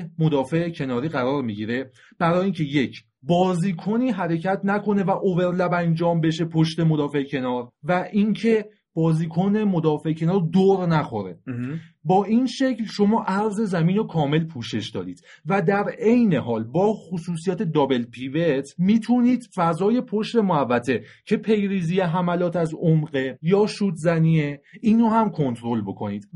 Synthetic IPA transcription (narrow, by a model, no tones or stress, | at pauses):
mod̪ɒːfe̞ecʰe̞nɒːɾiːɣæɾɒːɾmiɟiːɾe̞ | b̥æɾɒːjiːŋcʰe̞je̞cʰ | bɒːziːkʰoniːɦæɾe̞cʰæt̪ʰnækʰo̞ne̞væʔove̞ɾlæbænd͡ʒɒːmbe̞ʃe̞pʰoʃt̪e̞mod̪ɒːfe̞ʔecʰe̞nɒːɾvæʔiŋcʰe | b̥ɒːziːkʰone̞mod̪ɒːfe̞ecʰe̞nɒːɾd̪oːɾnæxoɾe̞̰bɒːʔiːnʃe̞kcʰlʃo̞mɒːʔæɾze̞zæmiːnokʰɒːme̞lpʰuːʃe̞ʃd̪ɒ̰ːd̪iːd̪̥ | væd̪æɾe̞jne̞ɦɒːlbɒːxosuːsijɒːt̪ʰe̞d̪ɒːbe̞lpʰivet̪ʰmiːt̪ʰuːniːd̪̥fæzɒːje̞pʰoʃt̪e̞moævːæt̪ʰe̞cʰe̞pʰe̞jɾiːzijeɦæmælɒːt̪ʰæzomɢe̞jɒːʃuːt̪zæniːeiːnohæmkʰo̞nt̪ʰɾo̞lbo̞kʰo̞niːd̪̥